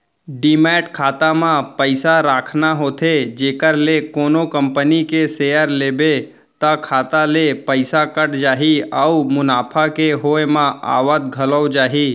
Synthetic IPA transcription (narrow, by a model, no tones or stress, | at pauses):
ɖimɛːʈkʰaːt̪amãpəɪsaɾaːkʰnaɦoːt̪ʰed͡ʒeːkəɾlekoːnokə̃mpənikesejəɾleːbe | t̪əkʰaːt̪alepəɪsakəʈd͡ʒaːɦiəumʊnaːpʰakeɦoːemãa̰ːʋət̪̚ɡʱələwd͡ʒaːɦi